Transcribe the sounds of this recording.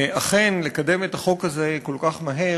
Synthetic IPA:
ʔaχenle̞kade̞met̪aχo̞khazeko̞lkaχmaɦe̞

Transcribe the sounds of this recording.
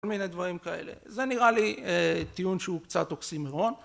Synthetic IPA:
olmined̪vaʁimkae̞̰lḛze̞niʁaliet̪ijunʃeukt͡sat̪oksimeʁo̞n

